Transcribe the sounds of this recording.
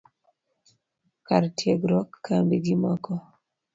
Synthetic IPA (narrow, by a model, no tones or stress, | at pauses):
kaɾtjeɡɾɔkːambiɡimɔkɔ